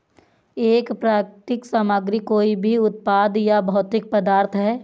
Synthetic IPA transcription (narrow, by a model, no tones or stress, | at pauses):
eːkpɾaːkʈ̪ɪksaːmaɡɾikoːibʱiʊt̪̚paːd̪jabɐɦʊt̪ɪk̚pəd̪aːɾt̪ʰɦɛː